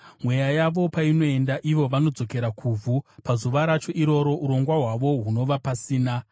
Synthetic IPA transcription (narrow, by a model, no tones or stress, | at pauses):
mwe̞jajaʋo̞paino̞e̞ndaʔiʋo̞ʋano̞d͡zo̞ke̞ɾakʰuvʱupazuʋaɾat͡ʃo̞ʔiɾo̞ɾo̞ʔuɾo̞ŋɡwaɦwaʋo̞ɦuno̞ʋapasiːna